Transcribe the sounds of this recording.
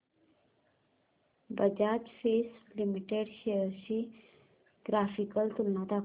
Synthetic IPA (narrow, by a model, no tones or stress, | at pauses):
bəd͡ʑad͡ʑfislimiʈeɽɕeəɾɕi | ɡ̥ɾafikəlt̪ulnat̪a